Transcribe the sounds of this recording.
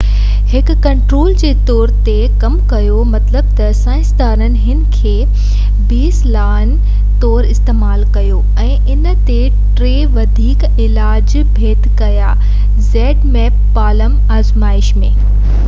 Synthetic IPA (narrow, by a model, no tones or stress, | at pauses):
hɪkkːɐ̃ɳʈɾoːld͡ʑeːt̪ɔːɾt̪e | kɐmkɐjomɐt̪ləbt̪ɐsãːɪ̃st̪aːnənɪ̆ɦɪnɪ̆kʰeː | biːslaːɪn | t̪ɔːɾɪst̪eːmaːlkɐjo | ɛ̃ːʔɪnət̪e | ʈɾeːʋɐd̪ʱiːk | ɪlaːd͡ʑ | bʱeːd̪kɐja̰ | zɛːɖmɛːpːaːləm | aːzmaːɪʃmẽː